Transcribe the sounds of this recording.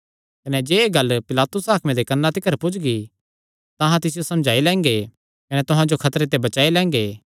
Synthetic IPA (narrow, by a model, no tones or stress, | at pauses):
kɐnɛd͡ʒeːeɡɐlpɪlaːt̪ʊsaːkʰmẽd̪ekɐnːat̪ɪkəɾpʊd͡ʒɡi | t̪ɐ̃ɦãt̪ɪs̬ɪjosɐ̃md͡ʒʱaːilɛ̃ːŋ̆ɡe | kɐnɛt̪ʊɦãd͡ʒokʰɐt̪ɾet̪̬ebɐt͡ʃaːilɛ̃ːŋɡeː